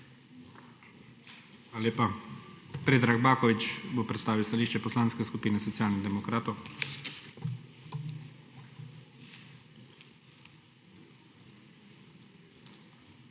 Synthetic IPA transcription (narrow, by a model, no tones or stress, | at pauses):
aaljeːpa | pɾeːd̪ɾaɡbaːkɔʋit͡ʃbopɾɛt̪st̪aːʋiwst̪aliːʃt͡ʃɛpɔslaːnskɛskupiːnɛsɔt̪jaːlniɣd̪ɛmɔkɾaːt̪ɔw